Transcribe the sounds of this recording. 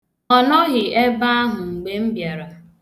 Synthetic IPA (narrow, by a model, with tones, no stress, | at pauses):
ɔ˨nɔ˦ɣɪ˨e˦ba˦a˦ɦʊ˨ŋ͡m̩˨ɡ͡be˦m̩˦bja˨ɾa˨